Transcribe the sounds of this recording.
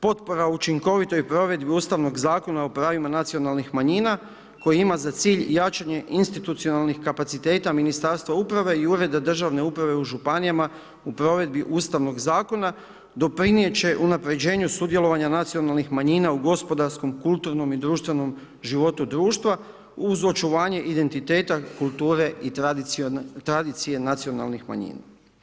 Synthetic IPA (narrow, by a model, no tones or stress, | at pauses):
po̞t̪po̞ɾaut͡ʃiŋko̞ʋit̪o̞jpɾo̞ʋe̞d̪biuːst̪aʋno̞ɡzaːko̞naupɾaːʋimanat̪sio̞nalˠnixmaɲiːna | ko̞jiimazat̪siːʎjat͡ʃaɲe̞ʔinst̪it̪ut̪sio̞nalˠnixkapat̪sit̪e̞ːt̪aminist̪aɾst̪ʋaupɾaʋe̞iuɾe̞d̪ad̪r̩ʒaʋne̞upɾaʋe̞uʒupanijama | upɾo̞ʋe̞d̪biʔuːst̪aʋno̞ɡzaːko̞na | d̪o̞pɾinije̞t͡ɕe̞ʔunapɾe̞d͡ʑe̞ːɲusud̪je̞lˠo̞ʋaɲanat̪sio̞nalˠnixmaɲiːnauɡo̞spo̞d̪aɾsko̞mkulˠt̪uɾno̞mid̪ɾuːʃt̪ʋe̞no̞m | ʒiʋo̞t̪ud̪ɾuːʃt̪ʋa | uzo̞t͡ʃuʋaːɲe̞ʔid̪e̞nt̪it̪e̞ːt̪akulˠt̪uːɾe̞i | t̪ɾad̪it̪sije̞nat̪siona̰lˠnixma̰ɲḭːna̰